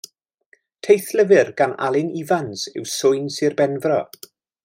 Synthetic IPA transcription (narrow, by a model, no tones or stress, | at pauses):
tʰejθləvɪrɡ̥ana̰lˠɪnivansɪ̰wsʊɨnsɨrbɛnvrɔ